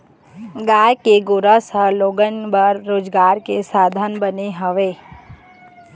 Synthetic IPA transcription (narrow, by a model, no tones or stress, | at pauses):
ɡaːjkeɡʊɾəsəɦloːɡənbəɾːoːd͡ʒɡaːɾkesaːd̪ʱənbəneɦəʋeː